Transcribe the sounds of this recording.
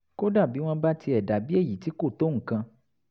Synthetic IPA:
ko˦da˦˨bi˨˦w̃ɔ̃˦ba˦ti˧ɛ˨da˨bi˦e˦˨ji˨ti˨˦ko˦˨t̪o˦ŋ̩˨kã˧

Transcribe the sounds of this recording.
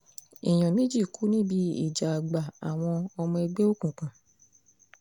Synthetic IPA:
ḭ˨j̃ɔ̃˨mĩ˨˦d͡ʒi˦˨kʰu˨˦nĩ˦bi˧˦ḭ˦˨d͡ʒa˨ɡ͡ba˨a˨w̃ɔ̃˧ɔ˧mɔ̃˧e˧ɡ͡be˦o˦kũ˦˨k͡pã˨

